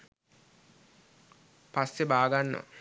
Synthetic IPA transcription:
pasːebaːɡanːə̰

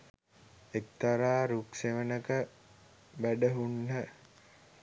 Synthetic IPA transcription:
ek̚t̪aɾaːɾukseʋənəkə | bæɖəɦunːə

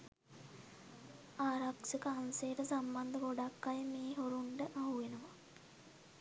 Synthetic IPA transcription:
aːɾaksəkəansejːʈəsamband̪əɡoɖakːajəmeːɦoɾuɳɖəʔaɦuʋenəʋa

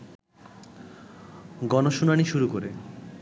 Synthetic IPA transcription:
ɡɔnoʃunaniʃuɾukoɾe

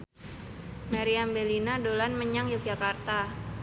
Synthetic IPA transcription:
maɾiambelinadolanməɲaŋjʊk̚d͡ʒakart̪a

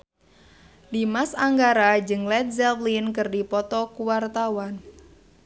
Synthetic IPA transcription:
dimasaŋɡaɾad͡ʒɨŋlɛt̪̚zɛlflinkɨrdipɔt̪ɔkuwart̪awan

